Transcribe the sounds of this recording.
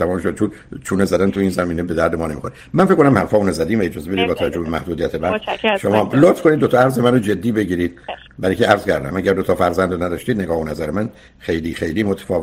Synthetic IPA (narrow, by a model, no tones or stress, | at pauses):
æmɔːmʃod̪t͡ʃʰunt͡ʃʰuːnezæd̪ænt̪ʰuiːnzæmiːnebe̞d̪æɾd̪emɒːnemḭxoɾi | mænfekːonæmhæɾfɒːmuːnzæd̪iːmvæed͡ʒɒːzebeiːd̪bɒːt̪ʰævæd͡ʒːohbemæhd̪uːd̪ijæt̪ʰebæɾʃomɒːlot̪fko̞nid̪ːot̪ɒːæɾzemænod͡ʒe̞d̪ːiːbe̞ɟiːɾiːd̪̥̚ | bæɾicʰeæɾz̥cʰæɾd̪æ̰mæɟæɾd̪ot̪ʰɒːfæɾzænd̪onæd̪ɒːʃt̪iːd̪ne̞ɡɒːhonæzæɾemæn | xejliːxejliːmot̪ʰæ̥fɒːv